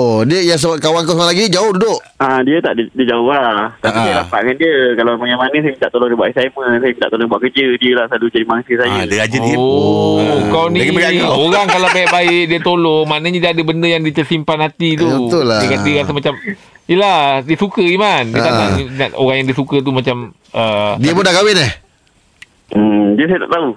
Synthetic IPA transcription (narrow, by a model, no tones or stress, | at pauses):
odiəjaŋs̬aakawaŋkawsaŋaʔlaɡid͡ʒaʊhdudʊʔ | adiət̪a̰ʔidid͡ʒaat̪aidiəɾapa̰ʔkandiəkalapəŋamanəsajəmint̪a̰ʔt̪olɔŋdibuaʔisaməsajəmit̪aʔ̪olɔŋdibuaʔkəd͡ʒədiəlahsalud͡ʒadimaŋsəsajədəad͡ʒəəo | kawniakəɡakaoɾaŋkalawbaɪʔbaɪʔdiət̪olɔŋmanaɲədiadəbəndəjaŋdiət͡ʃəsimpanhat̪it̪ubt̪ʊlakandiəɣasəmat͡ʃam | jladiəsukəimandiət̪anaʔninaʔo̰ɣaŋjaŋdiəsukət̪̬umat͡ʃam | ədiəmudaɡawɪnah | diəsajəna̰ʔt̪au